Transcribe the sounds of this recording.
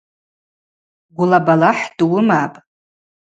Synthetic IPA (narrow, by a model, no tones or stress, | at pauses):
ɡʷʊlabalaħdwʊmapʼ